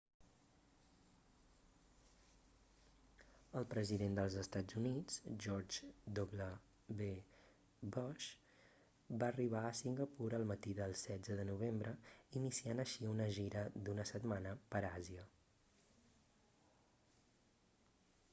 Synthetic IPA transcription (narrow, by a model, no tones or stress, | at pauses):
əlˠpɾəziðend̪əlˠzəst̪ad͡zunid͡zʒɔɾd͡ʒd̪oblə | βe | bɔʃ | baːriβ̞aəsiŋɡəpuɾəlˠmət̪iðəlˠsɛd͡zəðənuβ̞embɾəinisianəʃiunəʒiɾəd̪unəsət̪manəpəɾaziə